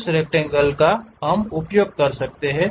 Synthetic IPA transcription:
sɾek̚ʈẽŋɡəlkaɦɐmʊpjoːɡ̚kɐɾsɐk̚t̪eɦɛ̃ː

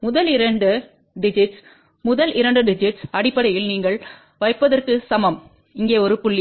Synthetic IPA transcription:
mʊðɐlɪɾɐɳɖɯ | ɖɪd͡ʒɪʈs | mʊðɐlʔɪɾɐɳɖɯɖɪd͡ʒɪʈsɐɽɪpːɐɽɐjɪlniːŋɡɐɭ | ʋɐɪpːɐðɐrkɯsɐmɐm | ɪŋɡeːɔɾɯpʊɭːɪ

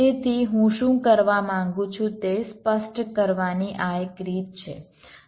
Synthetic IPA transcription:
et̪ʰiɦũʃũkəɾʋamãŋɡũt͡ʃʰũt̪espəsʈkəɾʋaniʔaekɾit̪̚t͡ʃʰe

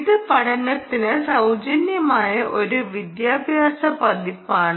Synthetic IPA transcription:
iðɨpɐɽɐnːɐt̪ːinɨsɐwd͡ʑɐnjɐmaːjɐʔo̞ɾuʋid̪jaːbʱjaːsɐpɐd̪ʱipːaːɳ

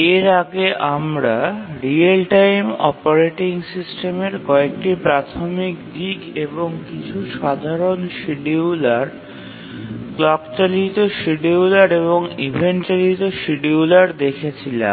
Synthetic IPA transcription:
eɾaɡeʔamɾaɾialʈajmɔ̰paɾeʈiŋsisʈemeɾkɔek̚ʈipɾat̪ʰomikd̪ikeboŋkit͡ɕʰuʃad̪ʱaɾonʃiɖiulaɾ | klɔkt͡ɕalit̪oʃiɖiulaɾeβoŋibʱeɳt͡ɕalit̪oʃiɖiulaɾd̪ekʰet͡ɕʰila̰m

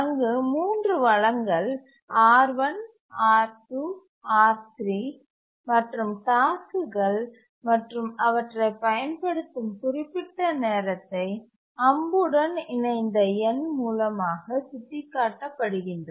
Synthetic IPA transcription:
ɐŋɡɯmuːndrɯʋɐɻɐŋɡɐɭ | aːɾʋɐn | aːt̪ːɯ | aːt̪ɾi | mɐʈrɯmt̪aːsɯɣɐɭ | mɐʈrɯmɐʋɐʈrɐɪpːɐjɐnpɐɽɯt̪ːɯmkʊrɪpːɪʈːɐneːɾɐt̪ːɐɪ | ɐmbɯɽɐnɪɳɐɪnd̪ɐɛnmuːlɐmaːɣɐsʊt̪ːɪkːaːʈːɐpːɐɽɯɣɪndrɐ

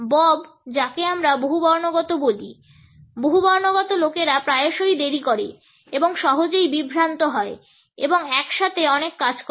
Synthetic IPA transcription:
bɔbd͡ʑakeamɾaboɦubɔɾnoɡɔt̪oboli | boɦubɔɾnoɡɔt̪olokeɾapɾaeoʃojd̪eɾikoɾe | eboŋʃɔɦod͡ʑejbibʱɾant̪oɦɔe | ḛboŋɛkʃat̪ʰeɔnekːad͡ʑk

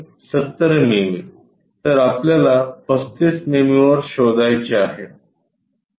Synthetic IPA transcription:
sət̪ːəɾememi | t̪əɾapljalapəst̪it͡snemiʋəɾɕod̪ajt͡ɕeaɦe

